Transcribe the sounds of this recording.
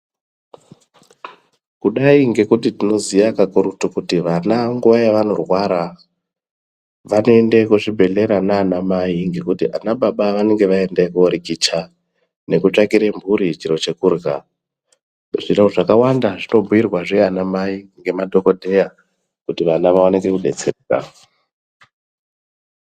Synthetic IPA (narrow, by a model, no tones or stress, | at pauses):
kuɗaiŋɡe̞kutitino̞zijakakurutukutiʋanaŋɡuʋajaʋano̞rwaɾa | ʋano̞e̞ndekuʐibʱe̞ɮe̞ɾanaːnamaiŋɡe̞kutiʔanaɓaɓaʋane̞ŋɡe̞ʋae̞ndekuoɾikit͡ʃa | ne̞kut͡ʂakiɾembʱuɾit͡ʃiɾo̞t͡ʃe̞kuːrɡa | ʐinoʐakawandaʐino̞bʱuirwaʐe̞anamaiŋɡe̞madʱo̞ko̞dʱe̞ja | kutiʋanaʋawanekekuɗe̞t͡sereka̰